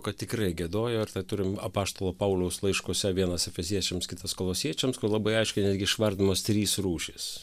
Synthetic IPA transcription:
kɐtt̪ʲɪkɾɐɪɡʲɛd̪oːjoːɪɾt̪ɐɪt̪ʊɾʲɪmɐpɑːst̪oːlˠoːpɐʊlʲɛʊslˠɐɪʃkuɔsʲɛʋʲiɛnɐsɛfʲɛzʲiɛt͡ʃʲɛmskʲɪt̪ɐskolˠoːsʲiɛt͡ʃʲɛmskʊrlˠɐbɐɪɐɪʃʲkʲɛɪnʲæːd̪ʲɡʲɪɪʃʋɐɾʲd̪ʲɪmost̪ʲɾʲiːsruːʃʲiːs

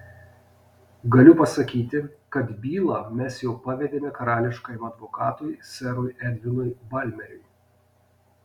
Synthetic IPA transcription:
ɡɐlʲʊpɐsɐkʲiːt̪ʲɪkɐt̪bʲiːlˠɐmʲɛsjɛʊpɐʋʲɛd̪ʲeːmʲɛkɐɾɑːlʲɪʃkɐːjmɐd̪ʋɔkɑːt̪ʊjsʲɛɾʊjɛd̪ʲʋʲɪnʊjbɐlʲmʲɛɾʲɛɪ

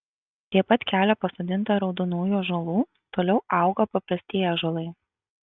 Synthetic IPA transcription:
t̪ʲiɛpɐt̪kʲæːlʲɛpɐsoːd̪ʲɪnt̪ɐɾɒʊd̪onuːjuːʒolˠuː | t̪oːlʲɛʊɑˑʊɡopɐpɾɐsʲt̪ʲiːjɛʒoːlˠɐɪ

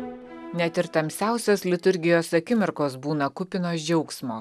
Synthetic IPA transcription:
nʲɛt̪ʲɪɾt̪ɐmʲsʲæˑʊsʲoːslʲɪt̪ʊɾʲɡʲɪjoːsɐkʲɪmʲɪɾkoːsbuːnɐkʊpʲɪnoːsd͡ʒʲɛʊksmoː

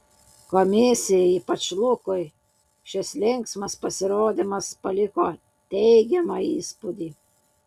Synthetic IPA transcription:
kɔmʲɪsʲɪjɛiːpɐt͡ʃlˠʊkʊj | ʃʲɪslʲɪŋksmɐspɐsʲɪɾoːd̪ʲɪmɐspɐlʲɪkoː | t̪ʲɛɪɡʲɛmɑiːspud̪ʲiː

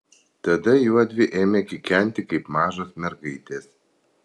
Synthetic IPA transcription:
t̪ɐd̪ɐjuɔd̪ʲʋʲɪʔeːmʲekʲɪkʲɛnʲt̪ʲɪkɐɪpmɑːʒosmʲɛɾɡɐɪt̪ʲeːs

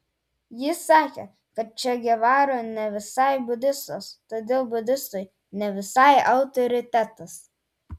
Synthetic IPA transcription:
jɪsɑːkʲeː | kɐt̪̚t͡ʃʲɛɡʲɛʋɑːɾoːnʲɛʋʲɪsɑˑɪbʊd̪ʲɪst̪oːst̪oːd̪ʲeːlˠbʊd̪ʲɪst̪ʊɪ | nʲɛʋʲɪsɐˑɪɐʊt̪ɔɾʲɪt̪ʲæt̪ɐs

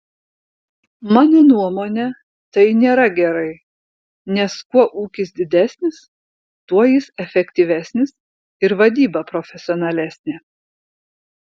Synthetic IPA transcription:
mɑːnoːnuɔmoːnʲɛ | t̪ɐɪnʲeːɾɐɡʲɛɾɐɪ | nʲɛskuɔʔuːkʲɪs̬d̪ʲɪd̪ʲæːsʲnʲɪs | t̪uɔjɪsɛfʲɛkʲt̪ʲiːʋʲæːsʲnʲɪs | ɪɾʋɐd̪ʲiːbɐpɾofʲɛsʲɔːnɐlʲæːsʲnʲe

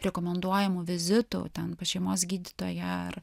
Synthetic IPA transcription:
ɾʲɛkomʲɛnd̪uɔjɛmʊʋʲɪzʲɪt̪ṵːt̪ʲɛnpɐʃʲɛɪmoːsɡʲiːd̪ʲɪt̪oːjɛɐ̰ɾ

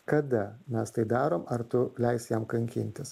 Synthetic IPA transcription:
kɐd̪ɐmʲɛst̪ɐɪd̪ɑːɾoːmɐɾt̪ʊlʲɛɪsjɛmkɐŋʲkʲɪ̰nʲt̪ʲɪs

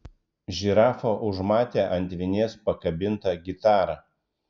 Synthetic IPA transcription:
ʒʲɪɾɑːfoːʔʊʒmɑːt̪ʲeːʔɐnʲt̪ʲʋʲɪnʲeːspɐkɐbʲɪnˑt̪ɐɡʲɪt̪ɑːɾɑː

